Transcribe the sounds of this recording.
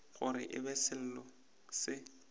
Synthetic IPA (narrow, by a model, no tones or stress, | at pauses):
ɣʊɾɪ̰ʔɪbɛsɪl̩lɔ | sɪ